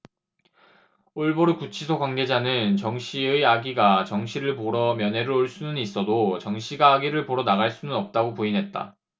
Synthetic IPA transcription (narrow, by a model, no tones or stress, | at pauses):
oɭboɾukut͡ɕʰisʰokwaŋɡe̞d͡ʑanɯnt͡ɕʌŋɕʰiɯaɡiɡat͡ɕʌŋɕʰiɾɯɭpoɾʌmjʌne̞ɾɯɾoɭs͈unɯnis͈ʌdot͡ɕʌŋɕʰiɡaːɡiɾɯɭpoɾʌnaɣaɭs͈unɯnʌp̚t͈aɡopuinɦe̞t̚t͈a̰